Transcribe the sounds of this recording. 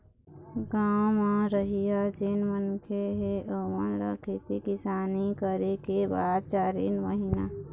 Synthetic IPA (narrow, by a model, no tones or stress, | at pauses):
ɡaːmãɾəɦijad͡ʒenʋənkʰeɦeʔəʋə̰nɾə̰kʰek̪ikɪsaːnikəɾekebaːd̪̚t͡ʃaːɾḛnʋəɦɪna